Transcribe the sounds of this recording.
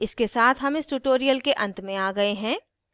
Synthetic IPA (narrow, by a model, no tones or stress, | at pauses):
ɪskesaːt̪ʰɦɐmɪsʈuʈoːɾijəlkeʔɐ̃nt̪mẽaːɡɐeɦɛ̃ː